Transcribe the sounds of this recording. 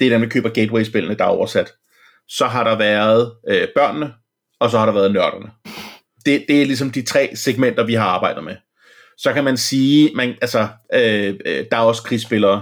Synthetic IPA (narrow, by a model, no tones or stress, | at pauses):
d̥eɐdenmækʰø̰ːb̥ɐɡ̥eːdweɪsb̥e̝lɐnəd̥ɑ̈ɒ̰ʊɐsæd̥ | sɒ̽ɦɑ̈ɾ̥ɑ̈ʋæːɐð̞̩ˠøb̥ɶɐ̰nːə | ɒ̽s̬ɒ̽hɑ̈ɾɑ̈ʋæɐð̞ˠnɶɐɾ̥ɐnə | d̥e̝d̥e̝æɐlis̬ɒ̽md̥it͡sʰʁɛ̰ːseɡ̥men̰d̥ɐʋiɦɑ̈ɑ̈ːb̥ɑ̈ɪ̰d̥ð̩ˠme | sɒ̽kʰæmænsiːmænʔælsɒʔød̥ɑ̈ʊskʰʁisb̥e̝lɐː